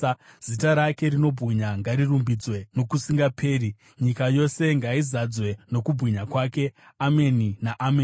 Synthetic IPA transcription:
z̥itaɾake̞ɾino̞bʱɣiɲaŋɡaɾirumbid͡zwe̞no̞kusiŋɡapʰe̞ːɾi | ɲikajo̞se̞ŋɡaizad͡zwe̞no̞kubʱwiɲakwaːke̞ | ameninaʔame

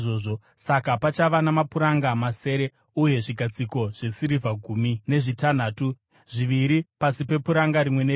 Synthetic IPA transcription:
ʐoːʐo̞ | sakapat͡ʃaʋanamapuɾaŋɡamase̞ːɾe̞ | uje̞ʐiɡʱat͡siko̞ʐ̥esiɾivʱaɡʱumine̞ʐitan̤aːtu | ʐ̥iʋiɾipasipe̞puɾaŋɡaɾimwe̞ne

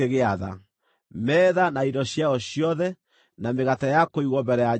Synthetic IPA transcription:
eɣeaða̰ | mɛːðanaiɾɔɕjaɔɕiɔðɛ | nameɣatajakoiɣwɔmbɛɾɛja

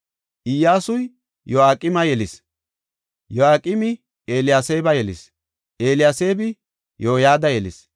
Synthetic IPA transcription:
ʔɪjːaːsʊj | jɔaːkʼːɪmɐjɛlɪs | jɔaːkʼɪmɪ | eːlɪjaːseːbɐjɛlɪ̰s | ʔeːlɪjaːseːbɪ | joːjaːd̪ɐjɛlɪs

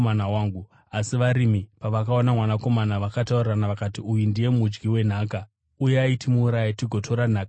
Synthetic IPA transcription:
anawaːŋɡu | asiʋaɾimipaʋakao̞namwanako̞manaʋakatauriranaʋakatiujundije̞mud͡ʒɡiwe̞n̤aːka | ujeaitimuːɾajatiɡʱo̞tʰo̞ɾan̤aːka

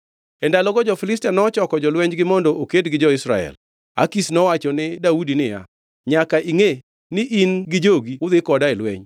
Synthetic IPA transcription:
ɛndalɔɡɔd͡ʒɔfɪlɪstɛnɔt͡ʃɔkɔd͡ʒɔlwɛɲd͡ʒɡɪmɔndɔʔokedɡɪd͡ʒɔɪsɾa̰ɛ̰l | a̰kisnɔwat͡ʃɔnɪdaudinɪja̰ | ɲakaʔiŋe | nɪʔinɡɪd͡ʒoɡiwʊd̪ɪkɔdaɛlwɛ̰ɲ

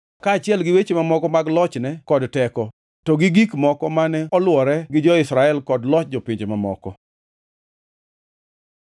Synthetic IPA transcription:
kaat͡ʃɪɛlɡɪwet͡ʃemamɔkɔmaɡlɔt͡ʃnɛkɔdtɛkɔ | tɔɡɪɡikmɔkɔmanɛɔlwɔɾɛɡɪd͡ʒɔɪsɾaɛlkɔdlɔt͡ʃd͡ʒɔpɪɲd͡ʒemamɔ̰kɔ̰

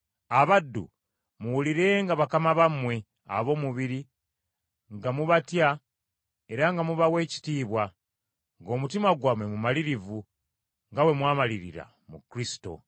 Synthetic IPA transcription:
aβadːṵ | muwuliɾe̞ŋɡaβakamaβamwe̞ | a̰βo̞ːmuβiɾi | ŋɡamuβatja | e̞ɾaŋɡamuβawe̞ːci̥tiːβwa | ŋɡo̞mutimaɡwamwe̞mumaliɾivu | ŋɡawe̞mwaːmaliɾḭɾa̰ | mukɾisi̥to̞̰

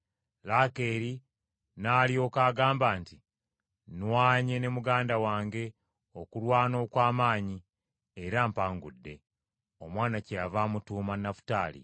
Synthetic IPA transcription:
laːke̞ːɾi | naːljo̞ːkaːɡaːmbaːnti | nwaːɲe̞nemuɡaːndawaːŋɡe̞ | o̞kulwaːno̞ːkwaːmaːɲi | eɾampaːŋɡudːe̞̰ | o̞mwaːnaceavamutuːmanːafu̥taːlḭ

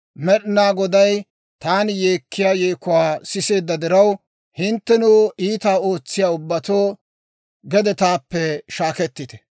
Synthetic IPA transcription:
mɛɗɪnaːɡɔd̪ɐj | t̪aːnjeːkːɪjaːjeːkʊwaːsɪse̞ːd̪ːɐd̪ɪɾɐw | hɪnt̪ːɛnuːiːt̪aːo̞ːt͡sːɪjaːʊbːɐt̪o̞ː | ɡɛd̪ɛt̪aːpːɛʃaːkɛt̪ːɪt̪ɛ̥

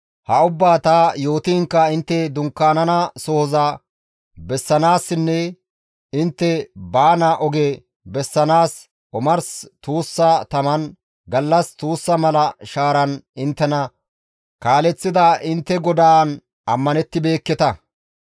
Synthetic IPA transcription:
hɐʊbːaːt̪aːjo̞ːt̪iːŋkːɐɪnt̪ːɛd̪ʊŋkːaːnɐnɐsɔhɔzɐ | bɛsːɐnaːsːɪnːɛ | ɪnt̪ːɛbaːnɐʔɔɡe | bɛsːɐnaːs | ʔɔmɐɾst̪uːsːɐt̪ɐmɐn | ɡɐlːɐst̪uːsːɐmɐlɐʃaːɾɐnɪnt̪ːɛnɐ | kaːlɛt͡sːɪd̪aʔɪnt̪ːɛɡɔd̪aːn | ɐmːɐnɛt̪ːɪbe̞ːkːɛt̪ɐ

